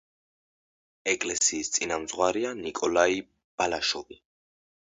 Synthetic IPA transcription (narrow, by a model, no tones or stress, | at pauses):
ɛkʼlɛsiːst̪sʼinamzʁwaɾianikʼɔlai | b̥alaʃɔvi